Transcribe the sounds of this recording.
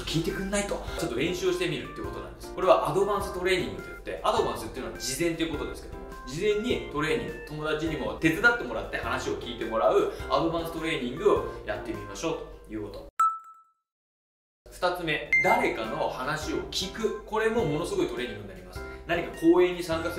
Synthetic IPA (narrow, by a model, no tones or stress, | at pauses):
kʲiːt̪e̞kɯ̟nːait̪o̞t͡ɕo̞t̪ːoɾẽ̞ɰ̃ɕɨːɕi̥t̪e̞mʲiɾɯ̟t̪ːeiɯ̟ko̞t̪o̞nã̰nd̪esɨ̥ko̞ɾe̞β̞aʔad̪o̞bãɰ̃sɨ̥t̪o̞ɾe̞ːɲ̟ĩŋɡɯ̟t̪ːojɯ̟t̪ːe̞ʔad̪o̞bãɰ̃sɨt̪eiɯ̟noβa̰d͡ʑizẽnt̪eiɯ̟kot̪o̞d̪e̞sɨ̥ke̞d̪omod͡ʑizẽɲ̟ːit̪o̞ɾe̞ːɲ̟ĩŋɡɯ̟t̪o̞mo̞d̪at͡ɕiɲ̟imo̞t̪e̞t͡sɨd̪at̪ːe̞mo̞ɾat̪ːe̞hanaɕio̞kʲiːt̪e̞mo̞ɾaɯ̟ad̪o̞bãɰ̃sɨ̥t̪o̞ɾe̞ːɲ̟ĩŋɡɯ̟oja̰t̪ːe̞mʲimaɕo̞ːt̪ojɯ̟ːko̞t̪o̞ | ɸɯ̥t̪at͡sɨme̞d̪aɾe̞kano̞hanaɕio̞kʲikɯ̟ko̞ɾe̞mo̞mo̞no̞sɨɡo̞it̪o̞ɾe̞ːɲĩŋɡɯ̟inaɾʲimasɨ̥naɲ̟ikako̞ːẽ̞ɲ̟ːisãŋkas